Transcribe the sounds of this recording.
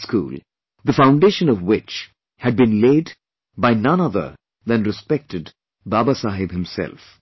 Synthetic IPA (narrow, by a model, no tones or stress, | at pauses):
skṵːl | d̪əfãʊ̃nɖeʃə̃nɔvwɪt͡ʃ | hɨɖ̚bɨ̃nleːd | baɪnʌ̃nʌðə̰˞ | ðæ̃nɾɨspɛk̚ʈɨd | baːbasaɦɪbhɪ̃msɛ̰lf